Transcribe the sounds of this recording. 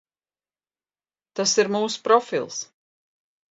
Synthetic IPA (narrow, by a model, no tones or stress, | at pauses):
t̪asiɾmuːsu̥pɾɔfḭlˠs